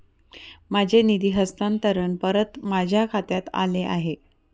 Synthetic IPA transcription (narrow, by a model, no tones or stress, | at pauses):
mad͡ʑʱenid̪iːɦəst̪ant̪əɾənpəɾət̪mad͡ʑʱjakʰat̪jat̪a̰leʔa̰ɦe